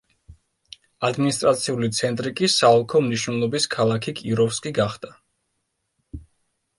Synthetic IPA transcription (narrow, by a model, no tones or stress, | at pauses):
ad̪minist̪ʼɾat̪sʰiulit̪sʰɛnt̪ʼɾikʼisaɔlˠkʰɔmniʃnɛlˠɔbiskʰalˠakʰikʼiɾɔfskʼiɡaχd̪̥a